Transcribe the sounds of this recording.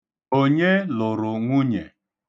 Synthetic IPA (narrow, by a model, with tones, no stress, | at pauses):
o˦ɲe˦lʊ˨ɾʊ˨ŋʷʊ˦ɲe˨